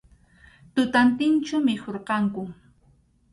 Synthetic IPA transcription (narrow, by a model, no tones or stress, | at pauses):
t̪ʊt̪ant̪ɪnt͡ʃʊmɪkoɾqɑŋkʊ